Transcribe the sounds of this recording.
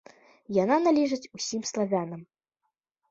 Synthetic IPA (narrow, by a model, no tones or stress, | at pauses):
jananalʲiʐɨt͡sʲusʲimslˠavʲanɐm